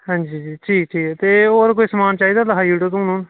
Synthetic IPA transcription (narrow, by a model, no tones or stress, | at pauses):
ɦãːɲd͡ʒiːd͡ʒiːʈʰiːkʈʰiːkɛːt̪eːoːɾkoːiːsəmaːnt͡ʃaːiːd̪aːləɦʰaːjuːʈot̪ʊ̃ːnũːn